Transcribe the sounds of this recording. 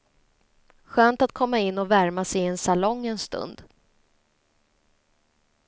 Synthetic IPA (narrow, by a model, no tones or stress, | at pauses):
ɧøːnt̪at̪̚kʰɔmːaɪnːɔvæɾmasɛjɛnsalɔŋːɛnst̪ɵ̰nd̪